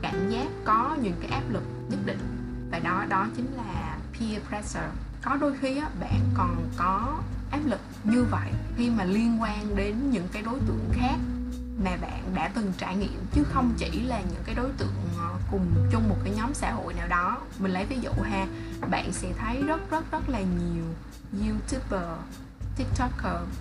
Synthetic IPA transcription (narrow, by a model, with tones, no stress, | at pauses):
kaː˧˩˨mzaː˦˥p̚kɔ˨˦ɲɨ̰˧˥ŋkaː˨˦jʔaː˦˥p̚lɨ˨˩k̚ɲə˦˥t̚ɗḭ̈˧˨ŋ̟ | vaː˨˩ɗɔ˨˦˧ɗɔ˨˦t͡ɕï˨˦ŋ̟laː˨˩pʰi˧pɹɛ˧səː˨˩ | kɔ˨˦ɗo˨˦jxi˧ʔaː˨˦ɓa̰ː˧˨nkɔ˨˩nkɔ˨˦ʔaː˦˥p̚lɨ˨˩k̚ɲɨ˧və̰˧˨jxi˧maː˨˩li˧ənkwaː˧nɗe˨˦nɲɨ̰˧˥ŋkaː˨˦jɗo˨˦jt̪ɨ̰˧˨əŋxaː˦˥k̚ | maː˨˩ɓa̰ː˧˨nɗa̰ː˧˥t̪ɨ˨˩ŋt͡ɕaː˧˩jŋḭ˧˨əmt͡ɕɨ˨˦xə˧wŋ͡mt͡ɕḭ˧˩laː˨˩ɲɨ̰˧˥ŋkaː˨˦jɗo˨˦jt̪ɨ̰˧˨əŋ˧˩kʊ˨˩ŋ͡mt͡ɕʊ˧ŋ͡mmo˨˩t̚kaː˨˦jɲɔ˨˦msa̰ː˧˥ɦo̰˧˨jnaː˨˩wɗɔ˨˦ | mï˨˩ŋ̟lə˨˦jvi˨˦zṵ˧˨ɦaː˧ɓa̰ː˧˨nsɛ̰˧˥t̪ʰə˨˦jzə˦˥t̚zə˦˥t̚zə˦˥t̚laː˨˩ɲi˨˩əw | zi˧t̪ʰu˦˥pəː˨˩ | t̪i˦˥k̚t̪ɔ˦˥kəː˧